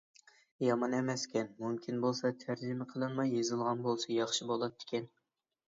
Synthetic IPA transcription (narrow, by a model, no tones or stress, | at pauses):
jɑmɑnɛmɛskʲʰɛnmumkʲʰinbolˠsɑt̪ʰæɾd͡ʒimɪqʰəlˠɨnmɑjːezɨlˠʁɑnbolˠsɑjɑχʃibolˠɑt̪ʰːɪ̥kʲɛn